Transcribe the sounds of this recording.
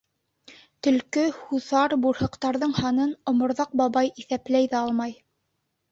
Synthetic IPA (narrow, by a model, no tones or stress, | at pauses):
t̪ɵ̆lkɵhuθɑɾbuɾhɤ̆qt̪ɑɾðɤɴhɑnɤnŏmŏɾðɑq̚bɑβɑjiθæplæjðæɑlˠmɑj